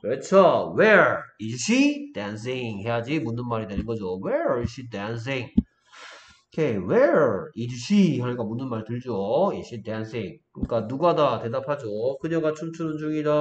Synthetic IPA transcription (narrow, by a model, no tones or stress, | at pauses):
kɯɾʌt͡ɕʰoweiɕʰid̥ans̬ʰiŋhe̞ɦad͡ʑimunːɯnmaɾidwenɯnɡʌd͡ʑoweɾiɕʰidans̬iŋ | kʰeweɹiɕʰihanik͈amunːɯnmaɾitɯɭd͡ʑoiɕ͈ʰidansʰiŋkɯɲik͈anuɡadate̞dapʰad͡ʑokɯɲʌɡat͡ɕʰumt͡ɕʰunɯnd͡ʑuŋida